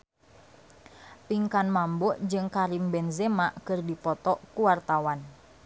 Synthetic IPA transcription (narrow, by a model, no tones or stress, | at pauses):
piŋkanmambɔʔd͡ʒɨŋkaɾimbɛnzemaʔkɨrdipɔt̪ɔʔkuwart̪awan